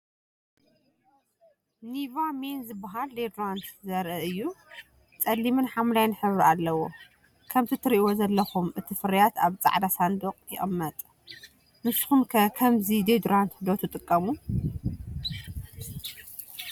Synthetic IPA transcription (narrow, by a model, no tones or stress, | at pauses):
nivamenzɨbːaɦald̪ed̪ɾant̪zɐɾʔɐɨjːu | t͡sʼɐlːimɨnħamlajnħɨβɾalːɐwo̞ | kʰɐmt̪ʰit̪ʰɨɾʔiwozɐlːɐxumɨt̪ʰifɨɾɐjat̪aβt͡sʼa̰ʕd̪asand̪oqʼjɪʔʼɨmːɐt̪ʼ | mɨsxumkʰɐkʰɐmzid̪ed̪ɾant̪d̪ot̪ʰɨt̪ʼɨkʼːɐmu